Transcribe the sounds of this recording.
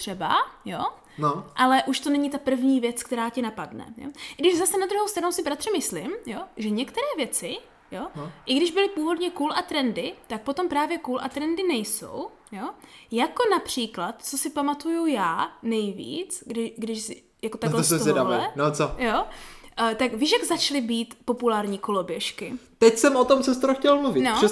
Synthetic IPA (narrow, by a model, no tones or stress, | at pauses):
t̪r̥ɛba̰jo̞ | noʔalɛʔuʃt̪o̞nɛɲɪt̪apr̩vɲiːvjɛt͡skt̪ɛɾaːcɪnapadnɛ̰jo̰̥dɪʒzasɛnad̪ɾuɦowst̪ɾanowsɪbɾat̪r̥ɪmɪslɪmjo̞ʒɛɲɛkt̪ɛɾɛːvjɛt͡sɪ | joʔɪɡdɪʒbɪlɪpuːvo̞dɲɛkuːlat̪ɾɛndɪt̪ak̚po̞t̪o̞mpɾaːvjɛkuːlʔa̰t̪ɾɛndɪnɛjso̞̰w | jo̞jako̞napr̝̥iːklat̪t͡sosɪpamat̪ujujaːnɛjvḭːt͡sɡdɪʃɡdɪʃsɪ | jakot̪atɡlɛsɛzoɛdavɛɛnot͡sojo | t̪akvɪʃaɡzat͡ʃlɪbiːt̪po̞pulaːɾɲiːkolo̞bjɛʃkɪt̪ɛcsɛmot̪omt͡sɛs̬t̪oɾoxcɛlmluvɪnoɛ